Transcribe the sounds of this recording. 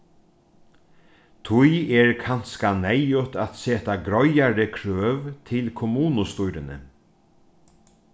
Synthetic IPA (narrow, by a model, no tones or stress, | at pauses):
t̪ʰʊjɛɹkʰanskanɛjʊt̪at̪seːt̪aɡɾɔjaɾɪkʰɾøːvt̪ʰɪlkʰɔmuːnʊst̪ʊjɾɪnə̰